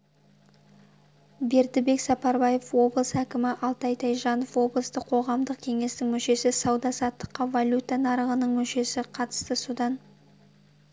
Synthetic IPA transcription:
be̞ɾd̪ɪbe̞ksɑpɑɾbɑje̞fwo̞blˠsəækʲɪmɪʔɑlˠt̪ɑjt̪ʰɑjʒɑnofwo̞blˠəst̪əqʰo̞ʁɑmd̪əqkʲʰe̞ŋe̞st̪ɪŋmʏʃe̞sɪsɑwd̪ɑsɑt̪ːə̥qːɑvalʲut̪ːanɑɾəʁənəɴmʏʃe̞sɪqʰɑt̪ə̥st̪əsud̪ɑn

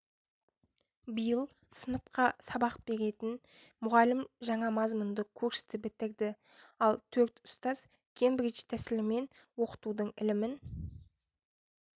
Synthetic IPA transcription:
bəjəlˠ | sənəp̚qɑsɑbɑqbe̞ɾe̞t̪ɪnmʊʁɑlɪmʒɑɴɑmɑzmʊnd̪əkʲʰɵɾʃɪ̥st̪ɪbɪt̪ɪɾd̪ɪ | ɑlˠt̪ʰɵɾt̪ʊ̥st̪ɑz̥ | kʲʰe̞mbɪɾit͡ʃt̪ʰæsɪlɪme̞nwo̞qə̥t̪ud̪əɴɪ̰lɪmɪn

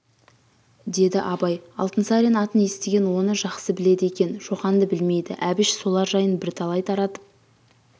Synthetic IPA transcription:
d̪e̞d̪ɪʔɑbɑjɑ̰lˠt̪ənsɑɾenɑt̪ənje̞st̪e̞ɡʲe̞nwo̞nəʒɑqsəbɪle̞d̪e̞kʲe̞nʒo̞qɑnd̪əbɪlme̞jd̪ɪ̰ʔæbɪʃso̞lˠɑɾʒɑjənbɪɾt̪ʰɑlˠɑjt̪ʰɑɾɑt̪ə̥p̚

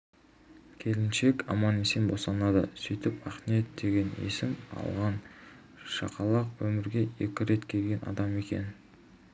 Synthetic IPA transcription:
kʲʰe̞lɪnʃe̞kʲɑ̰mɑnesenbo̞sɑnɑd̪ə̰sʏjt̪ɪpɑχnijet̪̚d̪e̞ɡʲe̞nḛsɪmɑ̰lˠʁɑn | ʃɑ̰qɑlˠɑqwɵmɪɾɡʲe̞e̞̰kʲɪɾe̞t̪kʲʰe̞lɡʲe̞nʔɑ̰d̪ɑme̞kʲe̞̰n

